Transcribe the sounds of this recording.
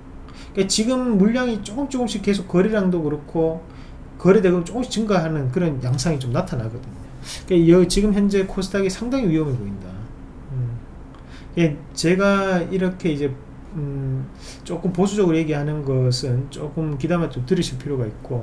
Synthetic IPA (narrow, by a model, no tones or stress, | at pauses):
ik͈at͡ɕiɡɯmːuʎːaŋit͡ɕ͈ok͈ɯmt͡ɕ͈okɯmɕ͈ʰikːe̞s̬ʰok͈ːʌɾiɾaŋdokɯɾʌkʰo | kʌɾidekɯt͡ɕ͈okɯmɕi̥t͡ɕɯŋɡaɦanɯnk̬ɯɾʌnjaŋsʰaŋit͡ɕomnatʰanaɡʌdɯɲoikajʌɡt͡ɕiɡɯmçjʌnd͡ʑe̞kʰosʰɯdʰaɡisʰaŋdaŋiɥiɦʌmeboinda | ɯ | ie | t͡ɕe̞ɡaiɾʌkʰe̞id͡ʑe̞ | t͡ɕ͈ok͈ɯmposʰud͡ʑʌɡɯɾoje̞ɡiɦanɯnɡʌsʰɯnt͡ɕ͈ok͈ɯmk̬idamet͡ɕomtɯɾʌɕʰiɭpʰiɾjoɡait̚k͈o